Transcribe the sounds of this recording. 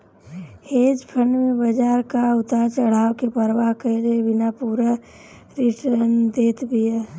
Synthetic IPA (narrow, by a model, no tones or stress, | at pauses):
heːd͡ʒpʰəɳɖmẽbəd͡ʒaːɾkaʊt̪at͡ʃəɽ̤aːʋkepəɾʋaɦkəɾebɪnapuːɾa | ɾiʈənd̪eːt̪bʱija